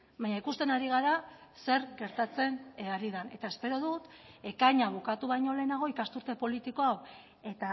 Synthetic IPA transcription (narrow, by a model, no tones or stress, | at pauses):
baɲaikust̪e̞naɾiɣaɾase̞ɾɡe̞ɾt̪at͡se̞naɾiðane̞̰t̪ae̞spe̞ɾo̞ðut̪e̞kaɲaβ̞ukat̪uβ̞ajɲo̞le̞ːnaɣ̞o̞ikast̪uɾt̪e̞po̞lit̪iko̞aw | e̞t̪a